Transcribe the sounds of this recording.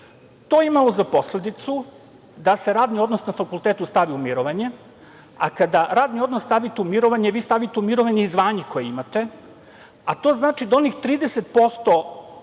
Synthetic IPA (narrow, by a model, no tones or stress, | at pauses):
t̪oeimalozapo̞sle̞d̪it̪su | d̪ase̞ɾaːd̪nio̞d̪nosnafakulˠt̪et̪ust̪aʋiumiɾoʋaɲe | akad̪aɾaːd̪nio̞d̪nosst̪aʋit̪eumiɾo̞ʋaɲeʋiːst̪aʋit̪eumiɾoʋaɲeizʋaːɲiko̞jeimat̪e̞ | at̪o̞ːznaːt͡ʃid̪ao̞nixt̪ɾiːd̪eset̪̚po̞st̪o̞